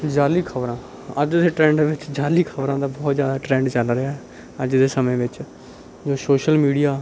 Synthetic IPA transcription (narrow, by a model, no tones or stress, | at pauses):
d͡ʒaːliːkʰəbɾãː | əd͡ʒd̪eːʈɾɛ̃ːɳɖʋɪt͡ʃd͡ʒaːliːkʰəbɾãːd̪aːbɔːt̪zjaːd̪aːʈɾɛ̃ːɳɖt͡ʃəlɾɪaːɛ | əd͡ʒd̪eːsəmẽːʋɪt͡ʃ | d͡ʒoːsoːʃəlmiːɽijaː